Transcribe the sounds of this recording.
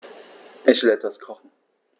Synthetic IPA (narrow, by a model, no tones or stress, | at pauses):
ʔɪçv̥ɪlɛtv̥askʰɔχn̩